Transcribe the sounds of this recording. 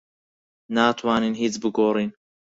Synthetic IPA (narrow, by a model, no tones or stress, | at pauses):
naːt̪ʰwaːniːnhiːt͡sbɨɡoːriːn